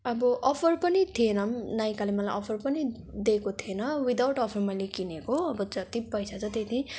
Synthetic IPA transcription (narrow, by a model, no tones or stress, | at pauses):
ʌbʌʔʌpʰʌrpʌnit̪ʰienʌmnaj̃kalemʌlajʔʌpʰʌrpʌni | d̪ekot̪ʰienʌwid̪awʈʌpʰʌrmʌjlekinekoʌbʌd͡zʌt̪ipʌjsat͡sʰʌt̪et̪ʰi